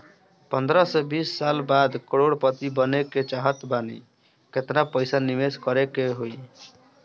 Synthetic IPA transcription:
pənd̪ɾəsebisːalbad̪kəɽoɽpət̪ibəneket͡ʃaɦət̪banḭ | ket̪napəjsanimeskəɾekeɦoj

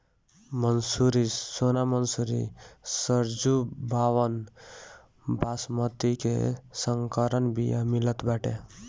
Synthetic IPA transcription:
mənsuɾisonamənsuɾḭsəɾd͡ʒubʱaʋən | basmət̪ikḛsəŋkəɾənbija̰milət̪baʈḛ

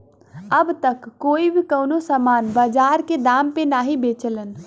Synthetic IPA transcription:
əbt̪əkːoːibʱikəʊnosəmaːnbəd͡ʒaːɾked̪aːmpenaːɦibeːt͡ʃələn

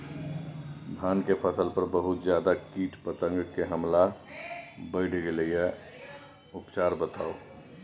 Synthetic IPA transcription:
bʱankepʰəsəlpəɾbəɦut̪d͡ʒjad̪akiʈpət̪ə̃ŋɡkeɦəmla | bəɪɽ̤ɡeləije | upt͡ʃaɾbət̪ʰao

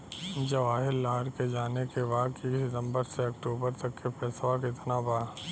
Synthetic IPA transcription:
d͡ʒɐʋaːɦɪlːaːɾked͡ʒaːnekeʋaːkisɪt̪ə̃mbəɾseɐkʈuːbəɾt̪ɐkːefʰɛːsʋakɪt̪nabaː

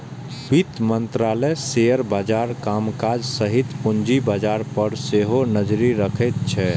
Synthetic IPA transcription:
bit̪mə̃nt̪ɾaːlɛsejəɾbaːd͡ʒaːɾkamkad͡ʒsəɦit̪pʊnd͡ʒibaːd͡ʒaːɾpəɾseɦonəd͡ʒɾiɾəkʰɛt̪̚t͡ʃʰɛ

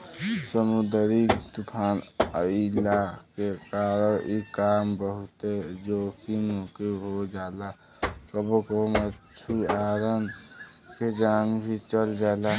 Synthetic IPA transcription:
səmud̪ɾit̪upʰaːnəilakekaːɾəɾikaːmbəɦut̪ed͡ʒoːkimokeɦod͡ʒaːla | səbokomət͡ʃʰuaːɾənked͡ʒaːnbʱit͡ʃəld͡ʒaːla

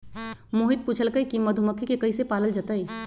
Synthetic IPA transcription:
moːɦɪt̪̚puːt͡ʃʰəlkəikiməd̪ʱuməkʰikekɐisepaːləld͡ʒət̪əi

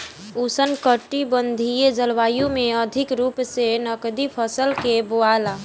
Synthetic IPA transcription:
usənkəʈibə̃nd̪ʱied͡ʒəlʋaːjõmẽəd̪ʱɪkɾuːpsenəkd̪ipʰəsəlkeboaːlaː

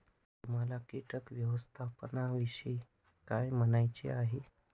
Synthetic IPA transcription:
t̪um̤alakiʈəkʋjəʋəst̪ʰapnaʋiʂi | kajmənajt͡ɕḛaɦe

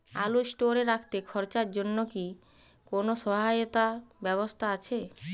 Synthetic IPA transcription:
alosʈoɾeɾakʰt̪ekʰɔɾt͡ɕaɾd͡ʑonːoki | konoʃɔɦajot̪abɛβost̪ʰaat͡ɕʰe

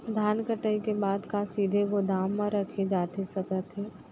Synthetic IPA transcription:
d̪ʱaːnkəʈəikebaːd̪kasiːd̪ʱeʋod̪aːmːãɾɐkʰed͡ʒaːt̪esɐkət̪ɦɛː

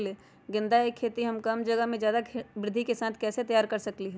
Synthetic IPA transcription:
le | ɡɪ̃nd̪aekʰːeːt̪iɦɐmkəmd͡ʒəɡəɦmẽd͡ʒjaːd̪akʰbɾɪd̪ʱːikesãːt̪ʰkɛːset̪ɐjaːɾkəɾsɐkliɦɛː

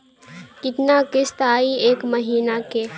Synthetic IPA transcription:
kɪt̪nakɪst̪aːieːkməɦiːnake

